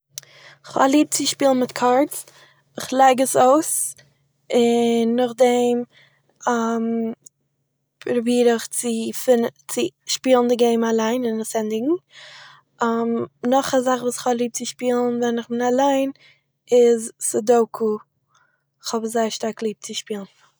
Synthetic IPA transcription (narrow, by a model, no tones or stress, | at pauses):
ɪχa̰lˠiːp̚t͡sɪʃpiːlˠn̩mɪtkʰaɾts | ɪχlˠaɪɡəsoʊs | ɪnːɔχdɛm | am | pɾʊbiːɾəχt͡sɪfɪnt͡sɪʃpiːlˠn̩dɪɡeɪmalˠaɪnɪnsɛndɪɡŋ̩ | amnɔχazaχvuːsɪ̥χhɔblˠiːp̚t͡sɪʃpiːlˠn̩vɛnɪχbɪnalˠaɪn | ɪzsɪdoʊkʰu | ɪχhɔbzaɪəʃtaɾklˠiːb̚t͡sɪʃpiːlˠn̩